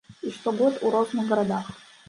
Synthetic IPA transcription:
iʃtʰoɡʷoduɾoznaɡɐɾad̪aχ

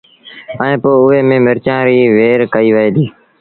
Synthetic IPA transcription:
əẽːpoːʊɦeːmẽːmɪɾt͡ʃãːɾiːʋeːɾkəiːʋəeːd̪iː

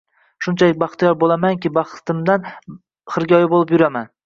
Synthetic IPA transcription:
ʃʊnt͡ʃʰalɪk̚ʲbɑχt̪ʰijɒɾbolˠamaŋkʲɪbɑχt̪ʰɪmd̪an | χɨɾɡʲɒjɪbolˠɪpjʊɾaman

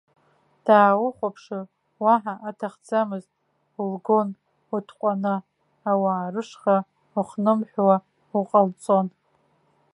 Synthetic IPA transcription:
d̥aːwʊχʷapʰʂɨ | waħaʔatʰaχd͡zamɨztʼ | ulɡo̞n | utʰqʷʼanɨ | awaːrɨʂχa | uχnɨmħʷᶣwa | uqʼalt͡sʼo̞n

